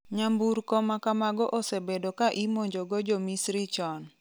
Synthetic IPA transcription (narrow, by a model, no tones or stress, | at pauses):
ɲambuɾkɔmakamaɡɔʔosebedokaʔimoɲd͡ʒoɡɔd͡ʒomisɾit͡ʃɔn